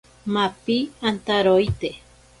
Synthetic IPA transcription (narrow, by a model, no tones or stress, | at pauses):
mapiant̪aɾoit̪e